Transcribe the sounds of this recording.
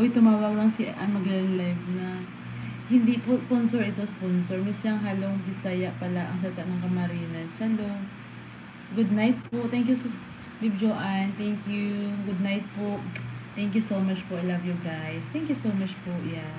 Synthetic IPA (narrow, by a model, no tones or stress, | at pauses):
ʔojt̪ʊmaːwɐɡ̚nɐŋsiʔʔɐmɐɡɛɐnlajvnɐ | hɪnd̪iposponsoɹɪt̪o̞sponsoɹmisjɐŋɦaːlobɪsajɐʔpɐlaʔɐ̰ŋsɐlɪt̪aʔnɐŋkɐmɐɾiːnɐnɐlo | ɡʊd̪̚najt̪̚poʔt̪ɛŋkjusɛ | mib̚d͡ʒoʔɐnt̪ɛŋkjuɡʊd̪̚najt̪̚poʔt̪ɛŋkjusowmat͡ʃpoʔajlɐvjʊɡajst̪ɛŋkjusowmat͡ʃpoʔjan